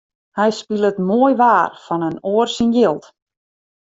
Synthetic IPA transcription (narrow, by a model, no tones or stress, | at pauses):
hɛjspilˠətmoəjʋaːrfɔnənoərsinjɪlˠt